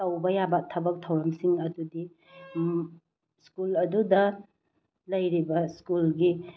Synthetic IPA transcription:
awbɐjabɐtʰɐbɐk̚tʰɐwɾɐmsiŋɐdudi | skulɐdudɐ | lɐjɾibɐskulɡi

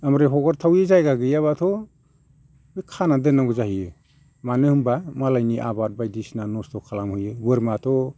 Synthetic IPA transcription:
amɾeɦɔɡɔɾtʰawezajɡaɡɯjaβatʰɔ | bɯkʰanadɯnaɡɯzahijɯ | manɯhɯmbamalajniʔa̰bat̚bajdisnanɔstʰɔkʰalamhɯjɯbɯɾmatʰɔ

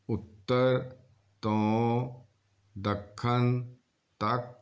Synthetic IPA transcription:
ʊt̪ːəɾ | t̪õː | d̪əkʰːən | t̪ɐk̚

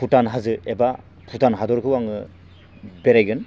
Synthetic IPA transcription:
pʰutanɦazɯeba | pʰutanɦadɔɾkʰɯwaŋɯ | beɾajɡɯn

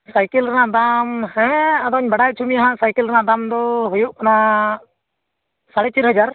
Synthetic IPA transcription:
sajkɛlɾɛnaʔd̪amhɛ̃ad̪ɔɲbaɽajt͡ʃʰumiaɦãʔsajkɛlɾɛnaʔd̪amd̪ɔɦujɔʔkana | saɽɛt͡ʃiɾɦəd͡ʒaɾ

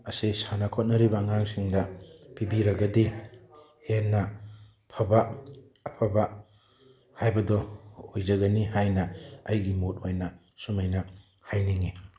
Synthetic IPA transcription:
ɐsesanɐkʰot̚nɐɾibɐːŋaŋsiŋdɐpibiɾɐɡɐdi | henɐ | pʰɐba | ɐpʰɐbɐ | hajbɐdɔhojd͡ʒɐɡɐnihajnɐɐjɡimot̚ojnɐ | sumajnɐ | hajniŋi

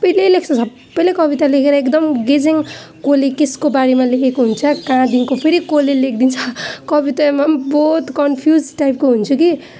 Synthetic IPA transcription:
sʌbʌjlelekʰt͡sʰʌsʌbːʌjlekʌbit̪alekʰeɾʌekd̪ʌmɡed͡zeŋ | kolekeskobaɾemalekʰekoɦunt͡sʰʌkãd̪inkopʰeɾikolelek̚ʰd̪int͡sʰʌ̥kʌbit̪amabot̪kʌnpʰjuzʈajp̚koɦunt͡sʰuki

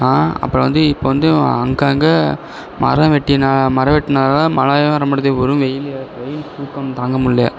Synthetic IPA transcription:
aːɐ̰pːɐɾɐʋɐnd̪ɯɪpːoːʋɐnd̪ɯɐŋɡaːŋɡɐ | mɐ̰ɾɐʋɛʈːinaːmɐɾɐʋɛʈːɪnaːlamɐlaːjɐ̃ɐɾɐmɐɽɐðeɔɾɯ̃ʋɛjɪlɐʋɛjɪlsuːkːɐmt̪aːŋɡɐmʊlːɐjɐ

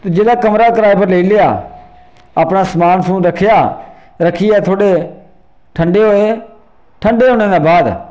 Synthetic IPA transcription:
t̪oːd͡ʒeːlaːkəmɾaːkəɾaːepəɾleiːlejaː | əpnaːsəmaːnsũːɾəkʰːejaː | ɾəkʰiːɛːt̪ʰoːɽeː | ʈʰəɳɖeːɦoːeː | ʈʰəɳɖeːɦoːneːd̪ãːbaːd̪

